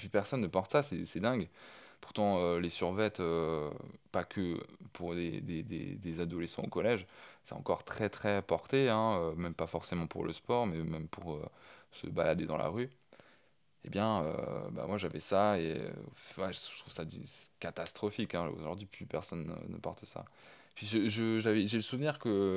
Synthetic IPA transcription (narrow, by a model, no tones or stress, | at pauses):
pɥypɛʁsɔnːəpɑ̃ʁt̪sasɛsɛd̪ɛ̃ɡpu̥ʁt̪ɑ̃ølesyʁvɛt̪ø | pakʰəpʰuʁd̪ḛd̪ḛd̪ḛd̪ezad̪ɔlɛsɑ̰̃o̰kɔlɛʒsɛ̥t̪ɑ̰̃kɔʁt̪χɛt̪χɛpɔʁt̪eɛ̃ømɛmpafɔʁsemɑ̃pṵʁlə̰spɔʁmɛmɛmpuʁøsə̰ba̰lad̪ed̪ɑ̃lʔa̰ʁy | ebjɛ̃ø̰ba̰mwaʒavɛsaḛ | vwaʒə̥t̪χuv̥sad̪ysɛ̥kat̪ast̪χɔfikɛ̃o̰ʒɔʁd̪ɥiplypɛʁsɔnːə̰nːə̰pɔʁt̪əsa̰ | pɥiʒəʒəʒavɛʒeləsuvniʁkə